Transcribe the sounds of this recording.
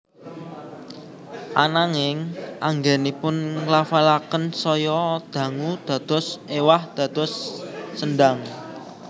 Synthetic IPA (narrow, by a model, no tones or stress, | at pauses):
ʔanaŋɪŋʔaŋɡɛnipʊnŋlafalakənsɔjɔd̪̥ä̤ŋud̪̥ä̤d̪̥ɔ̤sewahd̪̥ä̤d̪̥ɔ̤sːənɖaŋ